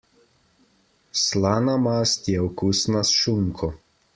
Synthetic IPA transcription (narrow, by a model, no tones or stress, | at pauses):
slaːnamast̪jɛɔkusnasʃuŋkʰɔ